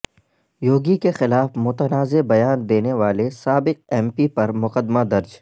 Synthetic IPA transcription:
joːɡikexɪlaːfmʊt̪ənaːzebɐjaːnd̪eːneʋaːlesaːbɪq̚ɛ̃ːmpipɐɾmʊqəd̪mad̪ɐɾd͡ʒ

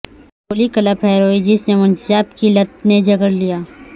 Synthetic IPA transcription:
boːlikɐləpɦɛːɾoːid͡ʒɪsnemʊnsaːpkilɐt̪̚ned͡ʒɐɡəɾlijaː

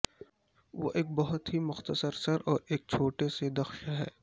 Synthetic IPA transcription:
ʋo̰ːʔeːk̚bɐɦʊt̪ɦimʊxt̪əsəɾsɐɾɔːɾeːk̚t͡ʃʰoːʈesed̪ɐxʃɦɛ̰ː

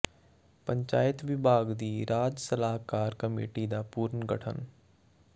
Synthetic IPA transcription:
pə̃ɲt͡ʃa̰ːjət̪ʋɪbʱaːɡd̪iːɾaːd͡ʒsəlaːɦkaːɾkɐmḭːʈid̪apuːɾnɡə̰ʈʰə̰n

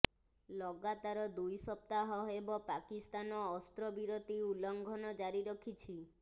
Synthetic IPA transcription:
lɔɡat̪aɾɔd̪ujsɔp̚t̪aɦɔɦebɔpakist̪anɔːst̪ɾɔbiɾot̪iulɔŋɡʱɔnɔd͡ʒaɾiɾɔkʰit͡ʃʰi

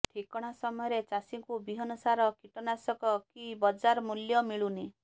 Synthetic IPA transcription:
ʈʰikɔɽ̃asɔmɔjɔɾet͡ʃasiŋkubiɦɔnɔsaɾɔkiʈɔnasɔkɔkibɔd͡ʒaɾmuljɔmiɭuni

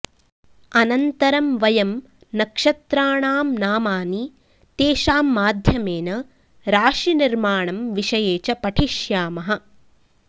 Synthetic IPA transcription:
ɐnɐnt̪ɐɾɐmʋɐjɐm | nɐkʂɐt̪ɾaːɳaːmnaːmaːni | t̪eːʃaːmːaːd̪ʱjɐmeːnɐ | ɾaːʃiniɾmaːɳɐmʋiʂɐjeːt͡ʃɐpɐʈʰiʃjaːmɐɦɐ̆

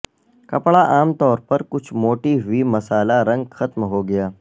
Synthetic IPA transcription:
kɐpɭaʔaːmt̪ɔːɾpɐɾkʊt͡ʃʰmoːʈiɦʊimɐsaːlaɾɐ̃ŋɡxɐt̪mɦoɡɐjaː

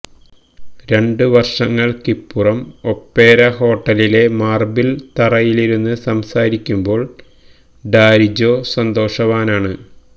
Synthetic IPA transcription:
ɾe̞ɳɖɨʋɐrʂɐŋːɐɭkipːurɐmo̞pːe̞ːɾɐɦo̞ːʈːɐlile̞maːrbilt̪ɐrɐjiliɾunːɨsɐmsaːɾikʲːumbo̞ːɭ | ɖaːɾid͡ʑo̞ːsɐnd̪o̞ːʂɐʋaːnaːɳɨ

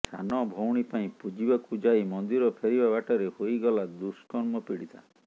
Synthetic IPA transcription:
sa̰nɔbʱowɽ̃ipaĩpud͡ʒibakud͡ʒajmɔnd̪iɾɔpʰeɾibabaʈɔɾehojɡɔlad̪uskɔɾmɔpiɽit̪ʰa̰

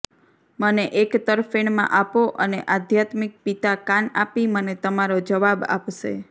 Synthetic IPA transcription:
məneʔekt̪əɾfeɳmã̰ʔapoʔəneʔad̪ʱjat̪mik̚pit̪akanapimənet̪əmaɾod͡ʒəʋaba̰pʃḛ

